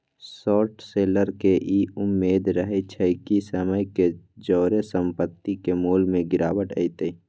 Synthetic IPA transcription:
sɔːʈseːləɾkeʔiʊmːeːd̪ɾəɦet͡ʃʰəɪkisəməjked͡ʒɔːɾesə̃mpət̪ːikemuːlmẽɡɪɾaːwəʈə̰it̪e

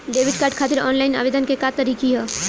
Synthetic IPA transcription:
ɖebʱiɖ̚kaɾɖkʰat̪iɾɔnlaɪna̰bed̪ənkekat̪əɾikiɦɛ

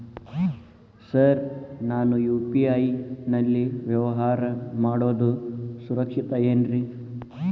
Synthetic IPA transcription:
sɐɾnaːnujuːpiɐjnɐlːiʋjɐʋɐɦaːɾɐmaːɽoːd̪usuɾɐkʂit̪ɐeːnɾi

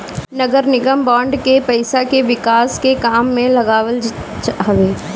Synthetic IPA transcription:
nɐɡəɾnɪɡəmbɔ̃ːɳɖkepɐɪsakeʋɪkaːskekaːmːẽlɐɡaːʋəl | ɦɐʋeː

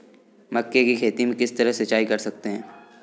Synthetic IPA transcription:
mɐkːekikʰeːt̪imẽkɪst̪ɐɾəɦsɐt͡ʃːaːikɐɾsɐk̚t̪eɦɛ̃ː

